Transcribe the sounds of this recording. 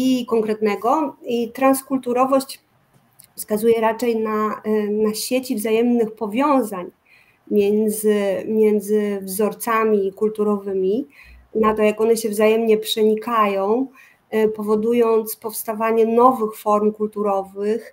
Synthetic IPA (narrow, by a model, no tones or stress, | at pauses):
ikɔŋkɾɛt̪nɛɡɔit̪ɾanskult̪uɾɔvɔɕt͡ɕ | fskazujɛɾat͡ʂɛjnanaɕet͡ɕivzajɛmnɘxpɔvʲjɔ̃w̃zaɲ | mʲjɛnd̪zɘmʲjɛnd̪zɘvzɔɾt̪samʲikult̪uɾɔvɘmʲinat̪ɔjakɔnɛɕɛvzajɛmɲɛpʂɛɲikajɔ̃w̃ | pɔvɔd̪ujɔnt̪spɔfst̪avaɲɛnɔvɘxfɔɾmkult̪uɾɔvɘx